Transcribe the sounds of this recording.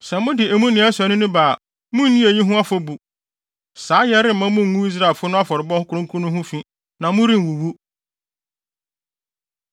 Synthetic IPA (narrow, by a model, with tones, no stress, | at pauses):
sɛ˨mʊ̃˦dɪ˨e˨mũ˦nɪ̃˨˦ɛ˦sɔ˨˦nʊ̃˦nʊ̃˦baː˨ | mʊ̃˦n̩˦nĩ˦e˨ji˦ɦʊ̃˦a˦fɔ˦bu˨ | saː˨˦jɛ˦ɾɪ˦m̩˨mã˦mʊ̃˦ŋ̩ː˨˦ũ˦i˦s̬ɾa˦˨fʊ˦nʊ̃˦a˦fɔ˨ɾɪ˨bɔ˦hʊ˦kʰʊ˦ɾʊ̃˦ŋ˦kʰũ˦nʊ̃˦ɦʊ̃˦fĩ˦ | nã˨mʊ̃˦ɾĩ˦n˨wu˨wu˦